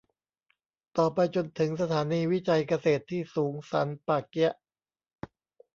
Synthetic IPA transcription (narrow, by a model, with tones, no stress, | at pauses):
t̪ɔː˨˩pa˧jt͡ɕo˧nt̪ʰɯ˩˦ŋsa˧t̪ʰaː˩˦niː˧wi˦˥t͡ɕa˧jka˧seː˨˩t̪ʰːiː˥˩suː˩˦ŋsa̰˩˦npaː˨˧˩ki˦˥ɐʔ